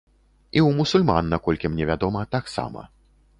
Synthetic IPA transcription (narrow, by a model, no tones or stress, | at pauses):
iwmusulʲma̰nːakɔlʲkʲimnʲɛvʲad̪ɔmɐt̪aksa̰mɐ̰